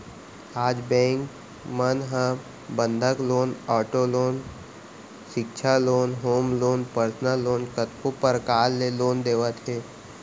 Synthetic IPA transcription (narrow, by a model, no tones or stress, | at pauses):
aːd͡ʒbɛ̃ːŋk | mənɦə̃ | bə̃nd̪ʱəkloːnɔːʈoloːn | ʃɪkʃʰaloːnɦoːmloːnpəɾsnəlːoːnkət̪kopəɾkaːlːeloːnd̪eːʋət̪ɦeː